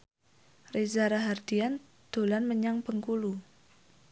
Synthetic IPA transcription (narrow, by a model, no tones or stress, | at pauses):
rezaɾaɦard̪̥ian | d̪̥o̤lanməɲaŋpəŋkulu